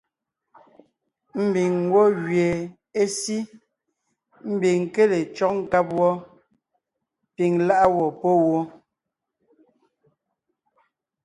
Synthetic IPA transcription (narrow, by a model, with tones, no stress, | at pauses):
m̩˦bi˨ŋwɔ˦ɣɥje˨ | e˦si˦ | m̩˦bi˨ŋ˨ke˦le˨t͡ʃɔ˦˨k̚ŋ̩˨ka˦p̚wɔ˦ | pi˨ŋla˦ʔa˦wɔ˨pɔ˦wɔ˦